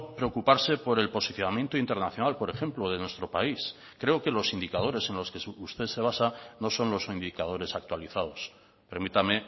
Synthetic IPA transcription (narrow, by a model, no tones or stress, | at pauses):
pɾe̞okupaɾse̞po̞ɾe̞lpo̞siθjo̞namje̞nt̪oint̪e̞ɾnaθjonalpo̞ɾe̞xe̞mploð̞e̞nwe̞st̪ɾo̞pais | kɾe̞oke̞lo̞sind̪ikað̞o̞ɾe̞se̞nlo̞skeust̪ese̞β̞asano̞so̞nlo̞sind̪ikað̞o̞ɾe̞sak̚t̪waliθaðo̞s | pe̞ɾmit̪ame̞